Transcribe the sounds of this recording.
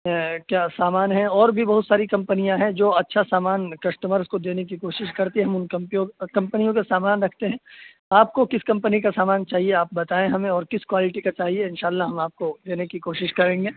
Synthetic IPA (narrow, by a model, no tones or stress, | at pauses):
kjaːsaːmaːnɦɛ̃ɔːɾbʱibɐɦʊt̪saːɾikɐ̃mpənijãɦɛ̃d͡ʒoːɐtːʃʰasaːmaːnkɐst̪əməɾzkod̪eːnek̬ikoːʃɪʃkɐɾt̪iɦɛɦɐmʊnkɐmpijõkɐ̃mpənijõkesaːmaːnɾɐkʰt̪eɦɛ̃ː | aːp̚kokɪskɐ̃mpənikasaːmaːnt͡ʃaːɦieaːp̚bɐt̪aːẽɦɐmẽɔːɾkɪskwaːlɪʈikat͡ʃaːɦieɪnʃaːlːaɦɐmaːp̚kod̪eːnekikoːʃɪʃkɐɾẽːŋɡeː